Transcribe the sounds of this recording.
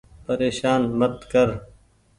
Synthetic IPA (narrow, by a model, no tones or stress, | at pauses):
pəɾeːʃaːnmət̪kəɾ